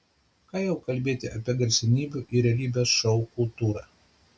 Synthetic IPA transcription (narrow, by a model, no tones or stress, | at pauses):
kɑːjɛʊkɐlʲbʲeːt̪ʲɪʔɐpʲiɛɡɐɾʲsʲɪnʲiːbʲuʔiɾʲɛlʲiːbʲeːsʃɔʊkʊlˠt̪uːɾɑ̰ː